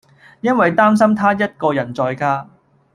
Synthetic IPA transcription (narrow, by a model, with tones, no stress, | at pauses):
jɐ˥nwɐ˨jt̪aː˥ms̬ɐ˥mt̪ʰaː˥jɐ˥t̚kɔː˧jɐ˨˩nt͡sɔː˧jkaː˥